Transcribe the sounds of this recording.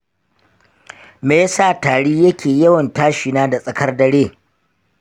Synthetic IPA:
meː˦saː˦˨taː˨ɽiː˦jɐ˦kʲeː˨jɐ˦wɐ˨ntaː˦ʃɪ˨naː˦da˨sʼɐ˨kɐ˦rdɐ˦ɽeː˦˨

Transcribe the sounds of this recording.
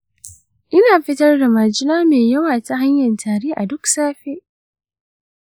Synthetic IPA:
ʔɪ˦naː˨ɸɪ˦tɐ˦rda˨maː˨d͡ʒɪ˦naː˦meː˨jɐ˦waː˨ta˨ɦa˦ɲjɐ˨ntʰaː˨ɽeː˦ʔa˨dʊ˦ksaː˦ɸeː˦ʔ

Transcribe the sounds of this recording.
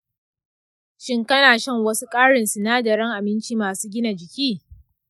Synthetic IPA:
ʃɪ˦ŋkɐ˦naː˨ʃɐ˦˨ŋwɐ˦su˦kʼaː˦ɽɪ˨nsu˨naː˦dɐ˨ɾɐ˦ŋʔa˨mɪ˦nt͡ʃiː˦maː˨suː˦ɡʲɪ˦na˨d͡ʒɪ˨kʲiː˦

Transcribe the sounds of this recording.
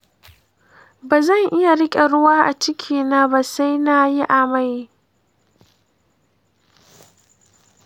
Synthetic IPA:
baː˨zɐ˦˨ŋʔɪ˦ja˨ɽɪ˦kʲʼe˨ɽʊ˦waː˦ʔa˨t͡ʃɪ˦kʲʰiː˨na˦ba˨sa˦jna˦ji˦ʔa˨ma˦˨j

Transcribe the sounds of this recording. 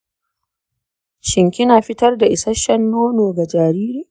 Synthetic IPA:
ʃɪ˨ŋkʲɪ˦naː˨ɸɪ˦tɐ˦rda˨ʔɪ˨sɐ˦ʃɐ˦nːoː˦noː˨ɡa˨d͡ʒaː˨ɾiː˦ɾiː˨

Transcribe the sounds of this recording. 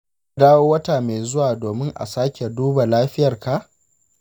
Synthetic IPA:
daː˦woː˦wɐ˦ta˨meː˨zʊ˦waː˨doː˨mɪ˦ŋʔa̰˨saː˦kʲe˨duː˦ba˨laː˦ɸɪ˦jɐ˨rka˨ʔ

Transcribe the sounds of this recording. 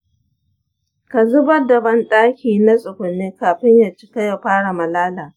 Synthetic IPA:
ka˨zʊ˦bɐ˦dɐ˨bɐ˦nɗʼaː˦kʲiː˨na˦sʼʊ˨kʷʊ˨nːeː˦kaː˨ɸɪ˦ɲjaː˨t͡ʃɪ̥˦ka˦ja˨ɸaː˦ɽa˨mɐ˨laː˦laː˨

